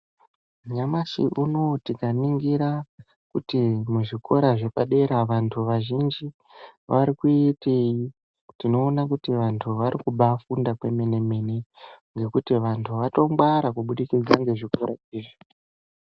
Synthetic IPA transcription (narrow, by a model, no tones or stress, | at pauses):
ɲamaʃḭʔuno̞tikaniŋɡiɾa | kutimuʐiko̞̰ɾaʐe̞paɗe̞ɾaʋantʰuʋaʒind͡ʒi | ʋaɾikuiete̞ji | tino̞ːnakutiʋantʰuʋaɾikuɓafundakwe̞me̞ne̞me̞ne̞ŋɡe̞kutiʋantʰuʋato̞mɡaɾakuɓuɗikid͡zaŋɡe̞ʐiko̞ɾa̰iːʐi